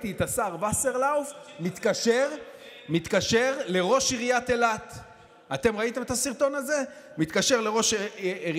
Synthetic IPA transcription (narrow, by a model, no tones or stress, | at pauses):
t̪it̪asaʁvaseʁlaufmit̪kaʃeʁ | mit̪kaʃeʁle̞ʁo̞ʃiʁijat̪elat̪ | at̪e̞mʁait̪e̞met̪asiʁt̪o̞naze̞mit̪kaʃeʁle̞ʁo̞ʃiʁi